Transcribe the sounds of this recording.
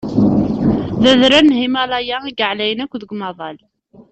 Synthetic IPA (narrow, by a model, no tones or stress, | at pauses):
ðæðɾænːhimælˤɑjæiɡəʕlæjənækʷːðəɡmɑðˤɑl